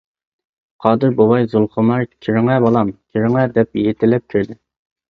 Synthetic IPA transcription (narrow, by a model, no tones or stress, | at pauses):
qʰɑːd̪ɨɾbowɑjzʊlˠχʊmɑɾkʲʰiɾɪŋɛbɑlˠɑmkʲʰiɾɪŋɛd̪ɛp̚jet̪ʰɪlːɛp̚kʲʰiɾd̪ɪ